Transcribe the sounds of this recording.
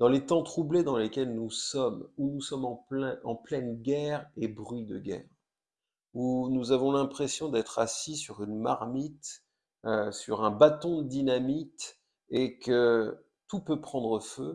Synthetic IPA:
d̪̥ɑ̃let̪ɑ̃t̪χubled̪ɑ̃lekʲɛlnusɔmunusɔmɑ̃ɛ̃ɑ̃plɛnɡʲɛʁebʁɥid̪ə̰ɡʲɛ̰ːʁ | unuzavɔ̃lɛ̃pχesjɔ̃d̪ɛt̪χasisyʁynmaʁmit̪ | øsyʁɛ̃bat̪ɔ̃d̪əd̪inamit̪ | ekə | t̪upøpχɑ̃d̪ʁəfø

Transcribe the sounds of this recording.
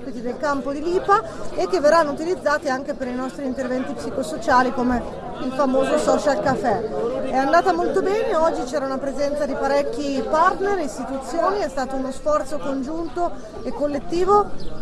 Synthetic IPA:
pit̪id̪elkampod̪iliːpa | ek̟ːevːerːanːout̪ilid̪zːaːt̪iaŋk̟epeɾinɔst̪ɾiːnt̪ervɛnt̪ipsikosot͡ʃaːlikome | ilfamoːzosɔt͡ʃalkafːɛɛand̪aːt̪amolt̪obɛːneɔd͡ʒːit͡ʃɛːɾaunapɾezɛnt̪sad̪ipaɾɛkːipart̪nerist̪it̪ut̪sːjoːniɛst̪aːt̪ounosfɔrt̪sokond͡ʒunt̪o | ekːolːet̪ːiːvo

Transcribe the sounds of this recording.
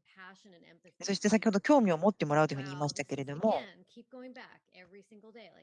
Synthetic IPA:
pʰæʃɨ̃ñnɛ̰̃mso̞ɕi̥t̪e̞sakʲihod̪o̞kʲo̞ːmʲio̞mo̞t̪ːe̞mo̞ɾaɯ̟t̪ohɯ̟ɲiːmaɕi̥t̪ake̞ɾe̞d̪o̞mo̞nkʰip̚ɡ̥oʊɪ̃ŋbæ̰kɛvɹisɪ̃ŋɡl̩ˠdeɪ

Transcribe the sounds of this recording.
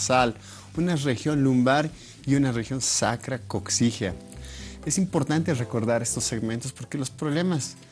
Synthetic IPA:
sal | unarexjonlumbaɾ | iunarexjonsa̰kɾakoksixa | esimpoɾt̪ant̪erekoɾðaɾest̪osːeɣment̪ospoɾkelospɾoβlemas

